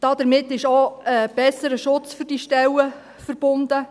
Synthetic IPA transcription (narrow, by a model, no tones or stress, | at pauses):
d̥ɑd̪̥əɾmɪtːɪʃoəb̥ɛsəɾəʃʊt͡sfʏrd̥iʃtɛlə | fəɾb̥ʊnd̥̪ə